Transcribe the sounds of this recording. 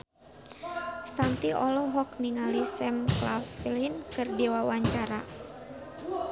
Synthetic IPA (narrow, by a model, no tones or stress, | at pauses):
sant̪iʔɔlɔɦɔk̚niŋalisɛmklafilinkɨrdiwawaɲt͡ʃaɾa